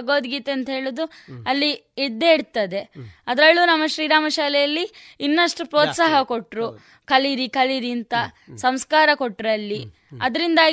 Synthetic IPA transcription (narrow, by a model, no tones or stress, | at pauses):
ɡoːd̪ɡiːt̪eɐnt̪ɐɦe̞ːɭud̪u | ɐlːi | iɽd̪eiɽt̪ɐd̪e̞ɐd̪ɾɐɭːuːnɐmːɐʃɾiːɾaːmɐʃaːlɛjɐlːiinːɐʂʈupɾoːt̪saːɦɐko̞ʈːɾu | kɐliɾikɐliɾint̪ɐ | sɐmskaːɾɐkoʈːɾɐlːi | ɐd̪ɐɾind̪aː